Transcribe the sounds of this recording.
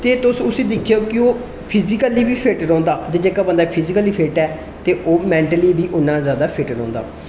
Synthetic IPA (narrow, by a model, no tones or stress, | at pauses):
t̪eːt̪ʊsʊsĩːd̪ɪkʰjoːkɪoː | pʰɪzɪkəliːbiːpʰeʈɾɔ̃ːnd̪aːt̪eːd͡ʒeːkaːbənd̪aːpʰɪzɪkəliːpʰeːʈɛː | t̪eːʔoːmɛ̃ːɳʈəliːbʱiːʔʊnːãːzjaːd̪aːpʰɪʈəɾɔ̃ːnd̪a̰ː